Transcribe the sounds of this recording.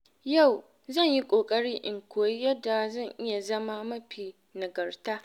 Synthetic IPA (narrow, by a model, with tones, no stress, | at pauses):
ja˦˨w | zɐ˦˨ɲji˦kʷʼoː˨kʼɐ˦ɽiː˦ʔɪ˨ŋkʷoː˨ji˦jɐ˦da˨zɐ˦˨ŋʔɪ˦ja˨zɐ˦ma˦mɐ˦ɸiː˨ | na˨ɡɐ˨rtaː˦